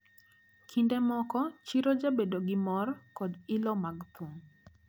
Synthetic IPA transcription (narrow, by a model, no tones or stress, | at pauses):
kʰindemɔkɔt͡ʃiɾod͡ʒabedoɡɪmɔrkɔdɪlɔmaɡt̪ʰuŋ